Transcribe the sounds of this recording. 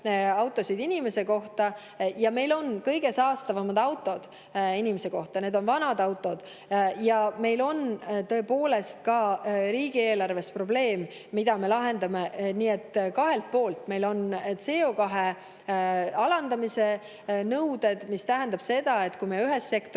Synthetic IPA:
ɑwt̪ːˑo̞sid̪̥inʲime̞se̞ko̞ht̪ɑ | jɑme̞jlo̞nkɤjɡ̥e̞sɑːst̪ɑvɑmɑd̪̥ɑwt̪ːˑo̞d̪̥ | inimese̞ko̞ht̪ɑne̞d̪o̞nvɑnɑd̪ɑwt̪ːˑo̞d̪̥ | jɑme̞jlo̞nt̪ɤ̞e̞po̞ːle̞st̪kɑɾiːɡ̥ie̞ːlɑrve̞spro̞ble̞ːmː | id̪̥ɑme̞lɑɦe̞nd̪ɑmeniːe̞t̪ːkɑɦe̞lt̪̚po̞ːlt̪me̞jlo̞ntse̞o̞kɑɦe | ɑlɑnd̪̥ɑmise̞ | nɤwd̪e̞d̪̥mist̪æɦænd̪ɑb̥se̞d̪̥ɑe̞t̪kujmeyɦe̞sːe̞kt̪

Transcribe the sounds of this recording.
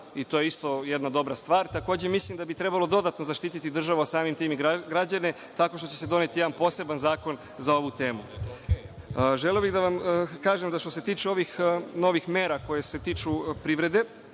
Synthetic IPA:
it̪ojeist̪o̞jed̪nad̪o̞bɾast̪ʋaːɾt̪ako̞ːd͡ʑe̞mislimd̪abit̪ɾe̞balo̞d̪o̞d̪at̪no̞zaʃt̪iːt̪it̪id̪r̩ʒaʋoasaːmimt̪iːmiɡɾad͡ʑane̞ | t̪ako̞ʃt̪ot͡ɕe̞sed̪o̞net̪ijeanpo̞se̞banzaːko̞n | zao̞ʋut̪eːmu | ʒelio̞biɣd̪aʋamkaːʒemd̪aʃt̪o̞s̬e̞t̪iːt͡ʃeo̞ʋixno̞ːʋixmeːɾako̞je̞se̞t̪iːt͡ʃupɾiʋɾe̞d̪e̞

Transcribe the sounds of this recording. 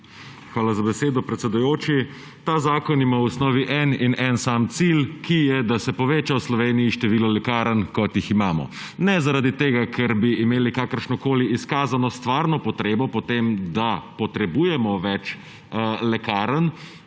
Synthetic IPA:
xʋaːlazabɛseːd̪ɔpɾɛt̪sɛd̪ujoːt͡ʃi | t̪aːzaːkɔnimawusnɔːʋiʔɛninɛnsaːmt̪silkijɛd̪asɛpɔʋeːt͡ʃawslɔʋeːnijiʃt̪ɛʋiːlɔlɛkaːɾənkɔt̪jiximaːmɔ̰ | nɛzaɾad̪it̪eːɡakʰɛɾbiːmeːlikaːkəɾʃnɔkoːliiskaːzanɔst̪ʋaːɾnɔpɔt̪ɾeːbɔpɔt̪eːmd̪apɔt̪ɾɛbuːjɛmɔʋɛt͡ʃ | lɛkaːɾən

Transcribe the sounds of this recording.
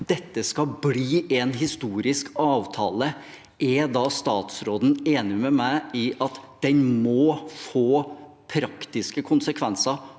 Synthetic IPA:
d̪̥ɛt̪ːəskɑbliːʔɛnɦɪst̪uːɾɪskɑːʋt̪ʰɑ̰ːlə | ʔɛd̪ɑːst̪ɑːt̪sɾoːd̪n̩eːnɪmɛmæɪɪʔɑt̪d̪̥ɛnmɔfoː | pʰɾɑkt̪ɪskəkʰʊnsəkʰʋɛnsɑ

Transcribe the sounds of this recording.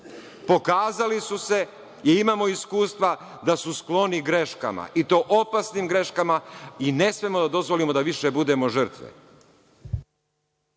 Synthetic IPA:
po̞kaːzalisuse̞ | iimaːmo̞iskuːst̪ʋa | d̪asusklˠo̞niɡɾe̞ʃka̰ma̰ʔit̪o̞ːʔopasnimɡɾe̞ʃkamaine̞smemo̞d̪ad̪o̞zʋo̞limo̞d̪aʋiʃebud̪e̞mo̞ʒər̩t̪ʋḛ

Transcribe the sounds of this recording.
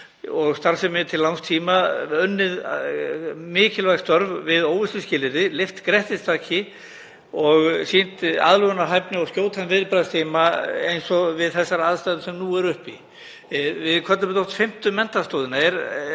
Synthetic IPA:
ɔɣst̪aɾsɛmːɪt̪ʰɪllːawŋst̪ʰiːmaœnːɪð | mɪːcɪlvaɣst̪œɾvvɪðoːwɪst̪ʏscɪːlɪɾɪlɪft̪kɾɛht̪ɪst̪ʰaːcɪ | ɔɣsiːn̥t̪a̰ːðlʏɣanaɦajpnɪɔɣscjoːwt̪ʰanvɪðɾɪpɾast̪ʰiːmaejnsɔvɪðθɛsːaɾaðst̪ajðʏsɛmnuːɛɾʏhpi | vɪðkʰvɛt̪ʏmɛt̪ɔht̪fɪm̥t̪ʏmɛnt̪ast̪oːðɪnaɛɾ

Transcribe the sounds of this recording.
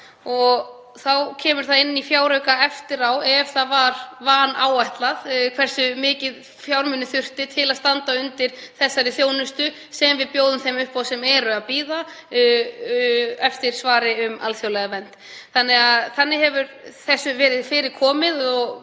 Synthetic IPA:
ɔɣ | θawcʰɛːmʏɾ̥θaðɪnːifjaːwɾœɥkaɛft̪ɪɾawɛvθaðvaɾvaːnaːwajht̪laðkʰv̥ɛr̥sʏmɪːcɪð | fjawɾmʏnːʏθʏr̥t̪ɪt̪ʰɪlaðst̪ant̪aʏnt̪ɪɾ̥θɛsːaɾɪθjoːwnʏst̪ʏ | sɛmvɪðpjoːwðʏmθejmʏhpawsɛmɛɾʏaðpiːða | ɛft̪ɪɾ̥svaːɾɪʏma̰lθjowlɛɣavɛnt̪ | θanːɛɣaðθanːɪɦɛvʏɾθɛsːʏvɛːɾɪðfɪːɾɪðkʰɔːmɪðɔɣ

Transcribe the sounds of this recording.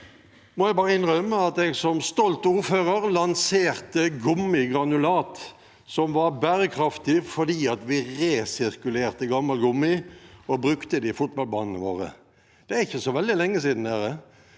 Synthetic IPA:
mɔjæɪbɑːʁəɪnʁœməɑt̪ɛɡsɔmst̪ɔlt̪uːɾføːʁəʁlɑnseːʁt̪əɡʊmːɪɡɾɑnʉlɑːt̪ | sɔmʋɑʁbæːɾəkʰɾɑft̪ɪfɔd̪iːɑt̪ʋɪʁeːsɪʁkʉleːʁt̪əɡɑmːɑlɡʊmːɪɔbɾʉkt̪əd̪ɪfʊt̪bɑlbɑ̰ːnənəʋo̰ːʁə̰ | d̪̥ɛæɾɪçːəsɔʋɛld̪ɪlɛŋːəsiːd̪n̩d̪æʁə

